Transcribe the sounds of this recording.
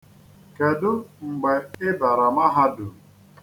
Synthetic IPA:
ke˨dʊ˦ŋ͡m̩˨ɡ͡bɛ˨ɪ˦ba˨ɾa˨ma˦ɦa˦dʊ˨

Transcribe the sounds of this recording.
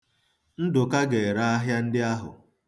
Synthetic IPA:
n̩˦dʊ˨ka˦ɡe˨ɾa˦a˦ɦja˦n̩˦dɪ˦a˦ɦʊ̰˨

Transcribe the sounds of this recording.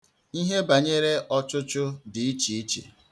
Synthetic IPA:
i˦ɦe˦ba˨ɲe˦ɾe˦ʔɔ˦t͡ʃʊ˦t͡ʃʊ˦dɪ˨i˦t͡ʃi˨i˦t͡ʃḛ˨

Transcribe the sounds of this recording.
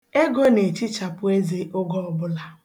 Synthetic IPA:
e˦ɡɔ˦ne˨t͡ʃi˦t͡ʃa˨pʊ˦e˦ze˦ʔʊ˦ɡɔ˦ɔ˨bʊ˦la˨

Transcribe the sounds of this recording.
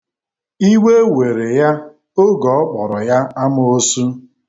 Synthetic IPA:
i˦we˦we˨ɾe˨ja˦ | o˦ɡɔ˨˦k͡pɔ˨ɾɔ˨ja˦a˦mʊ˨o˦su˦

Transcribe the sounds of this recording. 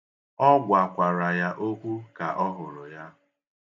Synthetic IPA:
ɔ˦ɡʷa˨kʷa˨ɾa˨ja˦ʔo˦kʷu˦ka˨ʔɔ˦ɦʊ˨ɾʊ˨ja˦

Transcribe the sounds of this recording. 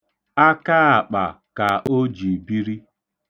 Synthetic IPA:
a˦ka˦a˨k͡pa̰˨ | ka˨o˦d͡ʒi˨bi˦ɾi˦

